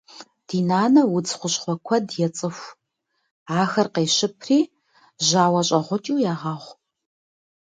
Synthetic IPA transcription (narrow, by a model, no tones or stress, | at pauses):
d̥iːnaːnɐwʊt͡sʰχʷʊɕχʷɔkʷʰɐdjɛt͡sʼɨxʷ | aːxɐrqeːɕɪpʰriː | ʑaːwɐɕʼɐʁʷʊt͡ʃʼuːjaːʁɑːʁʷ